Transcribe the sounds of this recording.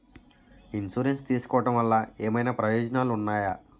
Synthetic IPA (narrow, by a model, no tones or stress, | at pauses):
insuːɾenst̪iːsu̥kɔːʋɐʈɐmʋɐlːaːeːmɐjnaːpɾɐjɔːd͡ʒɐnaːluunːaːja